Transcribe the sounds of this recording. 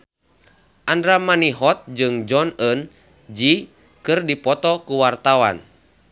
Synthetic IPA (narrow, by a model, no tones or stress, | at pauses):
ʔandɾamaniɦɔt̪̚d͡ʒɨŋd͡ʒɔnən | d͡ʒi | kɨrdipɔt̪ɔkuwart̪awa̰n